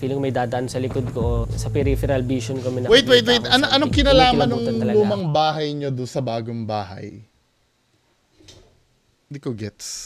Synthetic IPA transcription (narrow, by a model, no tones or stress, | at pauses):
fiːlɪŋmɐjd̪aːd̪ɐʔɐnsɐlɪkod̪̚kosɐpɛɾifɛɾɐlbiːʃonkɐmɛnɐwejt̪wejt̪̬̚wejt̪ɐnoʔɐnoŋkɪnɐlaːmɐnːʊŋt̪ɐlɐluːmɐŋbaːɦɐjɲod̪ʊnsɐbaːɡoŋbaːɦɐ̰j | nd̪ikoɡɛt̪s